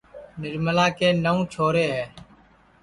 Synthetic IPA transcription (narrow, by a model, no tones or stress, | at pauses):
nɪɾməlaːkeːnəũːt͡ʃʰoːɾeːɦɛː